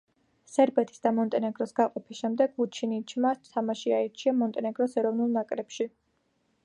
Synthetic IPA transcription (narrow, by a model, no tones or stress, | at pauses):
sɛɾbɛt̪ʰi̥sd̪amɔnt̪ʼɛnɛɡɾɔsɡaqʼɔpʰisʃɛmd̪ɛɡːut͡ʃʰinit͡ʃʰmast̪ʰːamaʃiaiɾt͡ʃʰiamɔnt̪ʼɛnɛɡɾɔsɛɾɔvnulˠnakʼɾɛpʃi